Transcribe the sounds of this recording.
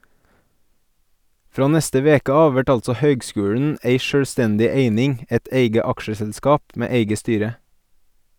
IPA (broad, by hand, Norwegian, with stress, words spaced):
ˈfɾɑː ˈnɛstə ˈʋeːkə ˈɑːʋ ˈʋæʈ ˈɑlsɔ ˈhœʏɡˌskʉːɽɳ̩ ˈeɪ ˈʃøːˌstɛndɪ ˈeɪnɪŋ ˈɛt ˈeɪɡə ˈɑkʃəsɛlˌskɑːp ˈmeː ˈeɪɡə ˈstyːɾə